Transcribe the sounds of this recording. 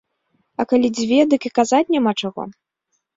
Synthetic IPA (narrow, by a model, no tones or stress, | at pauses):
ɐkalʲid͡zʲvʲɛd̪ɨkʲikazat͡sʲnʲamat͡ʂaɣɔ̰